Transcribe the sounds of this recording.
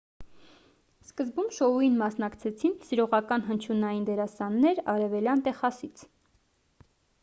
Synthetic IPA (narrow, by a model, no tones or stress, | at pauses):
skəzbumʃɔujinmɑsnɑkt͡sʰɛt͡sʰinsiɾɔʁɑkɑnɦənt͡ʃʰunɑjind̪ɛɾɑsɑnːɛɾɑɾɛvɛljɑnt̪ɛχɑsit͡sʰ